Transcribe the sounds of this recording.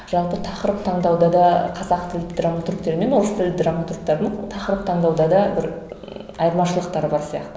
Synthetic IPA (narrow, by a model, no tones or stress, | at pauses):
ʒ̥ɑlˠpət̪ʰɑqəɾəp̚t̪ʰɑɴd̪ɑwd̪ɑd̪ɑqʰɑzɑqt̪ʰɪlɪp̚d̪ramat̪ɾkt̪e̞ɾɪme̞nʊɾəst̪ʰɪlɪp̚d̪ɾamat̪ruk̚t̪ɑɾd̪əɴt̪ʰɑqəɾəp̚t̪ʰɑɴd̪ɑwd̪ɑd̪ɑbɪɾ | ɑjəɾmɑʃəlˠəqt̪ɑɾəbɑɾsijɑ̰qt̪ə